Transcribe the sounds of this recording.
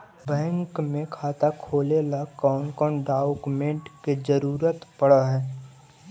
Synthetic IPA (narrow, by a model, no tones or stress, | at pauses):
bɛ̃ːŋkmẽkʰaːt̪akʰoːlelakɔːnkɔːnɖaːʊkmẽɳʈked͡ʒəɾuːɾət̪pɐɽaɦɛː